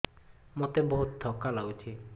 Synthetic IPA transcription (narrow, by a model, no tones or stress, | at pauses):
mot̪ebɔɦut̪̚d̪ʱɔkalawt͡ʃʰi